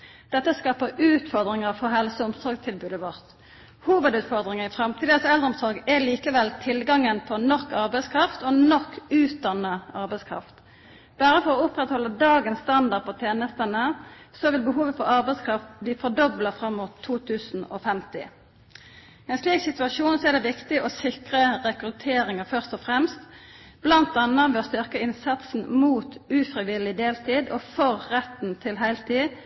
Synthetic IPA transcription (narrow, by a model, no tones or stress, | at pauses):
d̪̥ɛt̪ːəskɑːpəʉːt̪fɔʁd̪ʁɪŋəɑʋfɔɦɛlsɔʊmsɔɾɡt̪ʰɪlbʉːd̪əʋɔʁt̪ | huːʋəd̪ʉːt̪fɔʁd̪ʁɪŋɑɪfɾɑmt̪ʰiːd̪əsɛld̪ʁəɔmsɔɾɡɛliːkəʋɛlt̪ʰɪlɡɑŋːənpʰɔnɔkːɑʁbɛɪskʰɾɑft̪ɔnɔkːʉːt̪̚d̪ɑnəɑʁbɛɪskʰʁɑ̰ft̪ | b̥æːɾəfɔɾɔʊpʁɛt̪hɔlːəd̪ɑːɡənst̪ɑnd̪ɑʁd̪̚pʰɔt̪ʰjeːnəst̪ənəsɔʋɪlbəɦuːʋəfɔɑʁbæɪskʰʁɑft̪̚bliːfɔd̪ɔblɑfɾɑmːuːt̪ʰːuːt̪ʰʉːsn̩ɔ̰fɛmt̪ɪ̰ | ɛnsliːksɪt̪ʉɑʃuːnsɔæd̪ɛʋɪkt̪ɪʔɔsɪkʁəʁɛkʁʉt̪ʰeːɾɪŋəfœʁst̪ɔfʁɛmst̪ | b̥lɑnt̪ɑnːəʋɛɔst̪ʏʁkəɪnsɑt̪sn̩muːt̪ʉfʁɪʋɪlɪd̪eːlt̪ʰiːd̪ɔːfɔʁːɛt̪ːn̩t̪ʰɪlɦæɪlt̪ʰiː